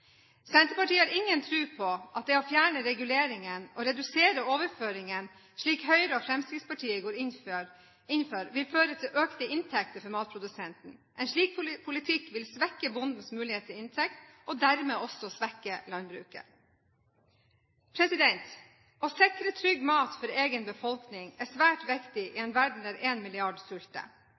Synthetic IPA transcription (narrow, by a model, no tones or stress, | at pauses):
sɛnt̪əpɑʈiːəhɑɾɪŋːənt̪ʰɾʉːpʰɔʔɑt̪̚d̪ɛɔfjæːɳəɾɛɡʉleːɾɪŋənɔɾɛd̪ʉseːɾəoːʋəɾføːɾɪŋən | ʂɭiːkhœʏɾəɔfɾɛmst̪ɪd̪spɑʈʰiːəɡoːɾɪn | ɪnføːɾʋɪlføːɾət̪ʰɪlʔøːkt̪əʔɪnt̪ʰɛk̚t̪əɾfɔɾmɑːt̪̚pʰɾʊd̪ʉsɛnt̪n̩ʔɛnʂɭiːk̚pʰʊlɪt̪ʰɪkːʋɪlsʋɛkːəbʊnd̪n̩smʉːlɪheːt̪ʰɪɪnt̪ʰɛkt̪ɔd̪æɾmeːɔsɔsʋɛkːəlɑnbɾʉ̰ːkə̰ | pʰɾɛsɪd̪ɛnt̪ | ɔsɪkɾət̪ʰɾʏɡːmɑːt̪fɔɾeːɡənbəfɔlknɪŋæsʋæːʈʋɛkt̪ɪʔɪɛnʋæɖɳ̩æɾʔeːnmɪlɪɑɖsʉlt̪ə̰